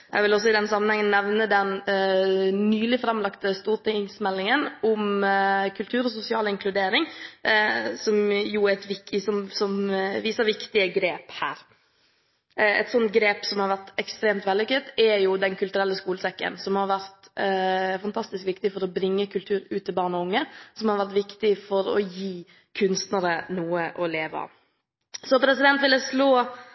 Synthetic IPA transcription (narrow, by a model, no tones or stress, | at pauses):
jɛ̰ɡʋɪlɔs̬ɔɪd̪ɛnsɑmːənhɛŋːənnɛʋnəd̪ɛn | nyːlɪfɾɑmlɑkt̪əst̪uːɾʈɪŋsmɛlːɪŋənʊmkʰʉlt̪ʰʉːɾɔsʊsɪɑːlɪŋkʰlʉd̪eːɾɪŋ | sɔmjʊæɛt̪ʋɪksɔmsɔmʋiːsəɾʋɪkt̪ɪəɡɾeːphæːɾ | ɛ̰t̪sɔnt̪̚ɡɾeːpsɔmhɑɾʋæɾt̪ɛkst̪ɾeːmt̪ʋɛlːɪkət̪ːɛɾjʊd̪ɛnkʰʉlt̪ʉɾɛlːəskuːləsɛkːə̰nsɔmhɑɾʋæɾt̪ | fɑnt̪ʰɑst̪ɪskʋɪkt̪ɪfɔɾɔbɾɪŋːəkʰʉlt̪ʰʉːɾʉːt̪ːɪlbɑːɳɔʊŋːəsɔmhɑɾʋæɾt̪ʋɪkt̪ɪfɔɾɔ̰jiː | kʰʉnst̪nəɾənuːəʔɔleːʋəɑ̰ | sɔpʰɾɛsɪd̪ɛnt̪ʋɪld̪əsloː